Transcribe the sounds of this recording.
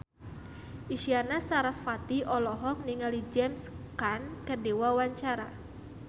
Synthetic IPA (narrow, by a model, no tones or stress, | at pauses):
ʔiʃianasaɾasfat̪iʔɔlɔɦɔk̚niŋalid͡ʒɛmskankədewawaɲt͡ʃaɾa